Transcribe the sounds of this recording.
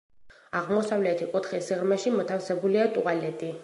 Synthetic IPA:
aʁmɔsavlɛt̪ʰikʼut̪ʰχisiʁɾmɛʃimɔt̪ʰafsɛbuliat̪ʼṵalɛt̪ʼi

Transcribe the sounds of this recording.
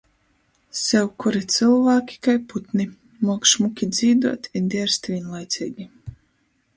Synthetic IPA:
sɛwkuɾit̪sɨlˠvaːkʲi̥kajput̪ni | mɔkʃmukʲid̪ziːd̪uɔt̪ʲind̪ʲiɛɾst̪vʲiɛnlˠajt̪sʲiːɡʲi

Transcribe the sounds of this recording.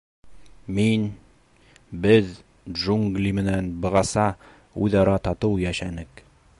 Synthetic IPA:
min | bɘð | ʒuŋɡlʲimɘ̆nænbɤ̆ʁɑsɑ | ʉjðɑɾɑt̪ɑt̪ɤwjæʃænɘk

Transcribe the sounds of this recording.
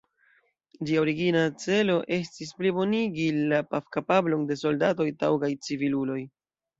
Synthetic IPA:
d͡ʒiaoɾiɡinat͡se̞lo̞ʔe̞stis̬plibo̞niɡilapafkapablo̞nde̞so̞ldato̞jtawɡajt͡sivilulo̞j

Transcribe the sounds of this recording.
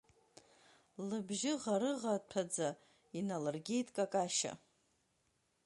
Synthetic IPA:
lɨbʒɪʁaɾɨʁapʰad͡za | inalarɡʲejtʼkʼakʼaʃa̰

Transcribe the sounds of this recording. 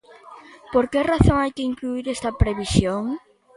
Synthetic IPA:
poɾkeraθoŋajkɪiŋkluiɾɛst̪ɐpɾeβisjoŋ

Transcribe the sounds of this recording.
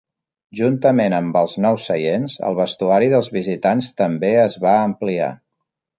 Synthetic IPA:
ʒunt̪əmenəmbəlˠznɔwsəʎenzə̰lˠβəst̪uaɾiðəlˠzβizit̪anst̪əmbeəzβaəmplia̰

